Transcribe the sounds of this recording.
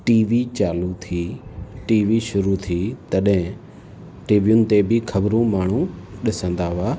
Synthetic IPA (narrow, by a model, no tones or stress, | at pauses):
ʈiːʋit͡ɕaːlut̪ʰiːʈiːʋiʃʊɾut̪ʰit̪ɐɗɦɪ̃ | ʈiːʋijʊnɪ̆t̪ebɪxʰɐbɾõmaːɳ̤ũɗɪsə̃nd̪aːʋaː